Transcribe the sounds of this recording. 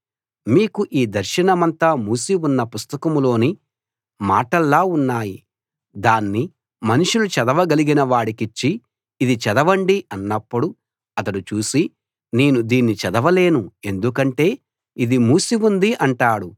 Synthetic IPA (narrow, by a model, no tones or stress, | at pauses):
miːkuʔiːd̪ɐɾʃɐnɐmɐnt̪amuːsiunːɐpust̪ɐkɐmulo̞ːni | maːʈɐlːaːunːaːji | d̪aːnːi | mɐnuʂulut͡ʃɛd̪ɐʋɐɡɐliɡinɐʋaːɽikit͡ʃːiː | d̪it͡ʃɛd̪ɐʋɐɳɖiɐnːɐpːuɽu | ɐt̪ɐɽut͡ʃuːsi | neːnud̪iːnːit͡ʃɛd̪ɐʋɐle̞ːnue̞nd̪ukɐɳʈe̞ː | id̪imuːsiʋund̪iʔɐɳʈaːɽu